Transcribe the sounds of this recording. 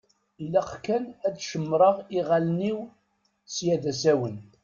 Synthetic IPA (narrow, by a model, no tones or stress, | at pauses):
ilːæqkænædʃəmːɾˤəʁiʁælniw | sjæd̪æsæwən